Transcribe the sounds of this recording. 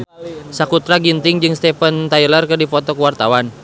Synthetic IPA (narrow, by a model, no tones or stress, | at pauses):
sakut̪ɾaɡint̪ɪŋd͡ʒɨŋst̪ɛpənt̪ajilərkɨrdifɔt̪ɔkuwart̪awan